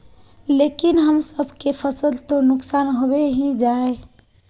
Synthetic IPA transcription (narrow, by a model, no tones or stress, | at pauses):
lekinɦəmsəbʱkepʰəsəlt̪onʊksaːnɦobeɦĩd͡ʒae